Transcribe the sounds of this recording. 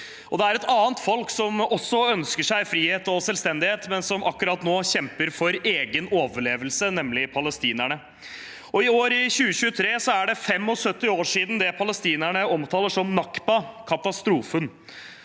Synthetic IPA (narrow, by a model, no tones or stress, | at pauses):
ʔɔd̪ɛæɾɛt̪ɑːənt̪fɔlksɔmɔsːɔœnskəʂæɪfɾiːheːt̪ɔsɛlst̪ɛnd̪ɪheːt̪mɛnsɔmʔɑkːʉɾɑːt̪noːɕɛmpəɾfɔɾeːɡənoːʋəɭeːʋəlsənɛmlɪpʰɑləst̪iːnæɳə | ɔɪoːɾɪɕʉːəɕʉːət̪ʰɾeːsɔæɖɛfɛmːɔsœt̪ːɪoːʂiːd̪n̩d̪ɛpʰɑləst̪iːnæɳəɔmt̪ʰɑːləʂɔmnɑkpɑkʰɑt̪ɑst̪ɾuːfən